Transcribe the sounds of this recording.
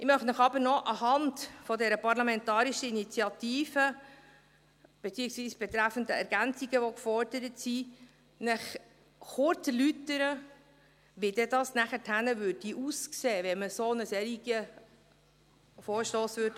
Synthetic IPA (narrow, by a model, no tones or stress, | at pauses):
ʔɪmœχtnəχɑbəɾnɔʔɑɦɑntfɔdɛɾəpɑɾlɑmɛntɑːɾiʃəinit͡sjɑt̪iːfə | b̥et͡siːəksviːsb̥ɛt̪ɾæfəndəɛɾɡ̥ænt͡siɡ̥əʋɔkfɔɾd̥əɾətsi | nəχ | χʊɾt͡səlytəɾə | ʋidɛdɑsnæχətʰhænəʋʉd̚diʔuskseːʋɛməsonəsɛːɾiɡ̥ə | foːɾʃtoːsʋøɾd